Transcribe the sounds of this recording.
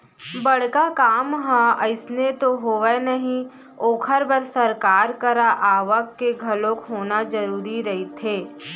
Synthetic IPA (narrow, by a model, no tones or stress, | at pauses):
bɐɽ̤kakaːmɦãəɪsnet̪oɦoʋɛnɐɦĩ | oːkʰəɾbəɾsɐɾkaːɾkəɾaʔaːʋəkːeɡʱɐlõkɦoːnazɐɾuːɾiɾɐɦit̪ʰeː